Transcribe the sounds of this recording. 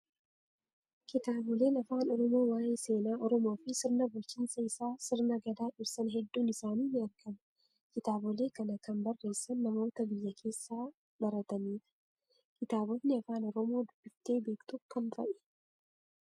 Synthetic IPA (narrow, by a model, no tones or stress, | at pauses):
kɪt̪aːbɔle̞ːnɐfaːnɔɾɔmo̞ːwaːjɪnse̞ːnaːɔɾɔmo̞ːfɪsɪɾnɐbʊlt͡ʃiːnsɐɪsaːsɪɾnɐɡɐd̪aːᶑɪɾsɐnɦɛd̪ːuːnɪsaːniːmɪɐɾkʰɐmɐ | kɪt̪aːbɔle̞ːkɐnɐkɐnbɐrːe̞ːsːɐnːɐmo̞ːt̪ɐbɪjːɐkʰe̞ːsːaː | bɐɾɐt̪ɐniːᶑɐ̥ | kɪt̪aːbɔt̪nɪɐfaːnɔɾɔmo̞ːd̪ʊb̥ːɪft̪e̞ːbe̞ːkt̪ʊkɐnfɐ̰ʔɛ̥